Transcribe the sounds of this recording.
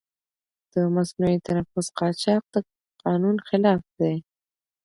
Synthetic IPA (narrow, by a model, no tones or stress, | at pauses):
d̪̥əmasnujit̪ʰanafʊsqɑt͡ʃɑq̚d̪ə | qɑnunxɪlɑfd̪̥aj